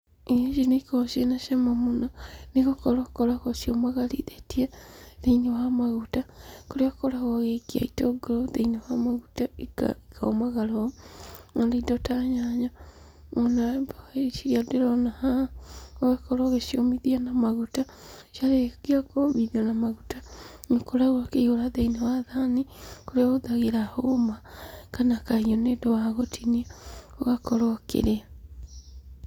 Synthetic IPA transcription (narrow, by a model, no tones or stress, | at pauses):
iʃinekoʃjenaʃamamunanikokoɾakoɾaɣoʃiomaɣalḭðetiaðeinewamaɣutakoɾakkolaɣoɣekia̰itoɡoɾoðeinewamaɣutaika̰ikʰaomaɣalo | nanaidotaɲaɲa | onaeʃiɾiadeɾonahaoɣekɔɾɔɣeʃiɔmiðianamaɣuta | ʃiaɾekiakoβiðanamaɣutanekoɾaɣwakeiɣoɾaðeinawaðanikoɾeaoðaɣeɾahomakanakaiɲonedowaɣotʰiniaoɣakɔɾoɔkḛɾea